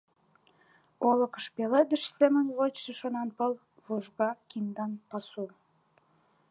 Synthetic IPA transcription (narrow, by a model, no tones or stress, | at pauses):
olə̆kə̥ʃpeled̪əʃsemənβot͡ɕʃĕʃonɑnpəl | βuʒɣɑkind̪ɑnpɑsu